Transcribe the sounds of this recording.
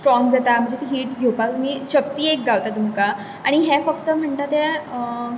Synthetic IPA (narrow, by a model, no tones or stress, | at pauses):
sʈɾɔŋɡd͡zat̪am̤ə̃ɳd͡zet̪iɦiːʈɡʱewpakmiːɕəpt̪iːek̚ɡawt̪at̪umka | aɽ̃iɦefəkt̪əm̤əɳt̪at̪e